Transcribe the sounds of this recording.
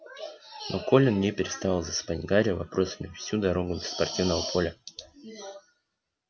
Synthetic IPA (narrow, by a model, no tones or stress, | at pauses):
nʔo̞ko̞lʲɪnnʲepʲɪɾʲɪst̪avalˠzəspanʲɡaɾʲɪəvɐpɾʔo̞səmʲɪfsʲud̪ɐɾo̞ɡʊd̪lʲə̥spɐrtʲivnəvəpʰo̞lʲə